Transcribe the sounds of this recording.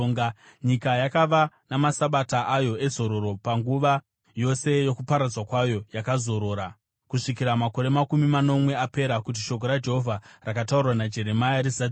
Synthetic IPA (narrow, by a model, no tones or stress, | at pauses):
ŋɡa | ɲikajakaʋanamasaɓataʔajo̞e̞zo̞ɾo̞ɾo̞paŋɡuʋa | jo̞se̞jo̞kupaɾad͡zwakwajo̞jakazo̞ɾo̞ːɾa | kuʂikiɾamako̞ɾe̞makumimano̞mwe̞ape̞ɾakut̬iʃo̞k̬oɾad͡ʒe̞ɦo̞vʱarakataurwanad͡ʒe̞ɾe̞majaɾiza